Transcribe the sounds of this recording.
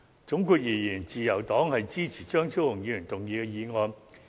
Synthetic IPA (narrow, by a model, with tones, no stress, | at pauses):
t͡sʊ˨˥ŋkuː˧k̚jiː˨˩jiː˨˩nt͡siː˨jɐ˨˩wt̪ɔː˨˥ŋhɐ˨jt͡siː˥t͡sʰiː˨˩t͡ʃœː˥ŋt͡sʰi˥wlʊ˨˩ŋjiː˨˧jy˨˩nt̪ʊ˨ŋjiː˨˧kɛ˧jiː˨˧ŋɔː˧n